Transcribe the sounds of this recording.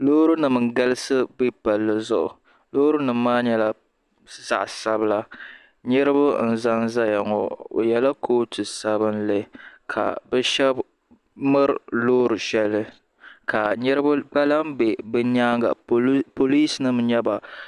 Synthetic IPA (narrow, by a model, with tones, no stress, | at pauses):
loː˦ɾu˦nɨ˨mɨ˨ŋ˨ɡa˦lɨ˦sɨ˦bɨ˦pa˨lːɨ˦zʊ˦ʔʊ̰˨ | loː˦ɾɨ˦nɨ˨m˦maː˦ɲɛ˦la˦ | za̰˨ʔsa˦bɨ˦la˦ | ɲɛ˦ɾɨ˦bʊ˦n̩˨za˦nza˦ja˨ŋɔ̰˨o̰˨jɛ˨la˦kʰoː˦tɨ˨sa˦bɨ˦n̩˦lɨ˦kʰa̰˨bɛ˦ʃɛ˦b | mɨ˦ɾloː˦ɾɨ˨ʃɛ˦lːɨ˦ | ka˨ɲɛ˦ɾɨ˦bk͡pa˦la˦m˦bɛ˨bɨ˦ɲaː˦ŋɡa̰˨po˨liː˦snɨ˦m˦ɲɛ˦ba˨